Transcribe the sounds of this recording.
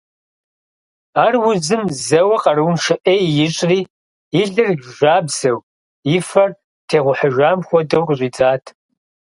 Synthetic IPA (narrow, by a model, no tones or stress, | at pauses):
aːrwʊzɨmzɐwɐqɐɾɨwnʃɨʔeːjɪɕʼriː | iɮɨrɡʒʷaːbz̥ɐw | ifɐr | tʰeːʁʷʊħəʒʷaːmxʷɔdɐwqɕʷʼiːd͡zʼaːtʰ